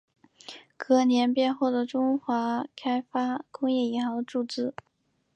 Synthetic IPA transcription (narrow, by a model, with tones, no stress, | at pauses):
kɤ˧˥njɛ˧˥npjɛ˥˧nxo˥˩ʊd̪ə˩ʈ͡ʂʊ˥ŋxwa˧˥kʰa˥ɪfa˥kʊ˥ŋjɛ˥˩i˧˥xɑ˧˥ʊd̪ə˧ʈ͡ʂu˥˧t͡sɹ̩˥˩